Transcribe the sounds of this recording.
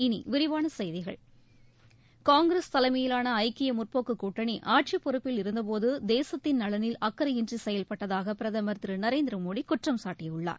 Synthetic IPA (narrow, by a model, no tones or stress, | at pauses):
ɪnḭʋɪɾɪʋaːnɐsɛjðɪɣɐ̰ɭ | kaːŋɡɪɾɐst̪ɐlɐmɐjɪlaːnɐɐɪkːɪjɐmʊrpoːkːɯkːuːʈːɐɳiʔaːʈ̚t͡ʃipːɔɾɯpːɪlɪɾɯnd̪ɐp̬oːðɯd̪eːsɐt̪ːɪnnɐɭɐnɪlɐkːɐɾɐɪndrisɛjɐlpɐʈːɐðaːɣɐpɪɾɐðɐmɐɾt̪ɾɯnɐɾeːnd̪ɪɾɐmoːɽikʊʈrɐmsaːʈːɪjɐɯɭːa̰ːɾ